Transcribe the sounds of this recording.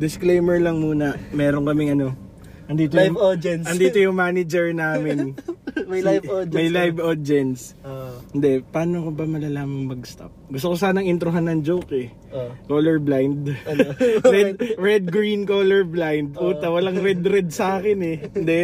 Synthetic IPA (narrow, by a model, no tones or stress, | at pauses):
d̪ɪsklejmɛɹlɐŋmuːnɐmɛːɾonkɐmɪŋɐno̞ | ʔɐnd̪iːt̪ojʊɐnd̪iːt̪ojʊŋmaːnɪd͡ʒɛɹnaːmɪn | jjmmɐjlajvod͡ʒɛnsɪnd̪ɛpaːnokobɐmɐlɐlaːmɐŋmɐɡ̚st̪a̰p̚ɡʊs̬t̪okos̬aːnɐŋʔɪnt̪ɾʊɦanːɐŋd͡ʒowkɛ | koːlɛɹblajnd̪ | ɾɛd̪ɾɛd̪̚ɡɾinkoːlɛɹblajnd̪̚ʔuːtt̪ɐwɐlaŋɾɛd̪ɾɛd̪̚sɐʔaːkɪnɛhnd̪ɛ